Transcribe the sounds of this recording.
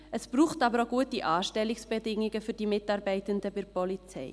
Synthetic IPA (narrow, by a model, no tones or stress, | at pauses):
ʔəsb̥ɾuːχtɑbəɾoɡuətiʔɑːʃtɛlːɪksb̥ɛdɪŋːɪɡəfʏɾd̥imɪtɑːɾbɛɪtəndəbɪɾpɔlit͡sɛ̰ɪ